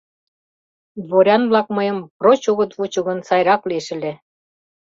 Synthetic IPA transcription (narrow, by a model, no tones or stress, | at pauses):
βoɾʲɑnβlɑkmɤjə̆mprot͡ɕuɣə̆t̪vut͡ɕuɣə̆nsɑjɾɑkleʃɘ̆lʲe